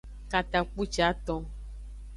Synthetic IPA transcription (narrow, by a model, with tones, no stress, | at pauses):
ka˨t̪a˨k͡pu˦t͡ʃa˦t̪ɔ̃˨